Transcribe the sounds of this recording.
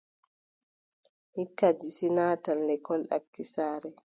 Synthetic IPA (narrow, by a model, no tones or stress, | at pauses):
hikːad͡ʒisinaːtalːɛkɔlɗa̰kːisaːɾɛ